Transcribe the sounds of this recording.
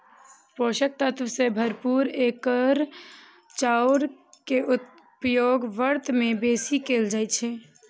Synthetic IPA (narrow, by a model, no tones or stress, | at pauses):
poʃək̚t̪ət̪ʋəsebʱəɾpuɾekəɾ | t͡ʃauɾkeʔu | pjoɡʋəɾt̪mebesikeld͡ʒaj̪t͡ʃʰɛ